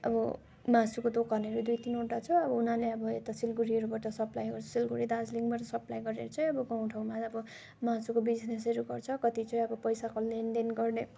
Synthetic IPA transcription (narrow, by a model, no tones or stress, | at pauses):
ʌ̰bʌ | masukod̪okʌrneɾud̪ujt̪inoʈat͡sʰʌʌbʌunaleʌbʌet̪asilɡuɾiɦʌɾubaʈʌsʌplajɡʌrt͡sʰʌ̥silɡuɾid̪ad͡zliŋɡbaʈʌsʌplajɡʌɾeɾut͡sʰʌj̃ʌbʌɡaw̃ʈʰawmaʌbʌ | masukobid͡znesʌɾuɡʌrt͡sʰʌkʌt̪it͡sʌj̃ʌbʌpʌjsakolenɖenɡʌrne